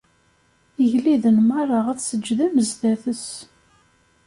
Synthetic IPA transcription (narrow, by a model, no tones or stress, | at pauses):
əʝliðənmɑrˤɑʁæθsəd͡ʒːðæməzðæθəs